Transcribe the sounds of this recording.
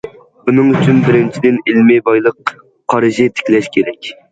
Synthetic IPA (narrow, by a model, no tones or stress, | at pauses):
unɨŋyt͡ʃʰynbɪɾɪnt͡ʃʰid̪ɪnilmɪbɑjlˠəqːʰ | ɑɾɨʒɪt̪ʰɪ̥kʲlɛʃkʲʰeɾɛkʲ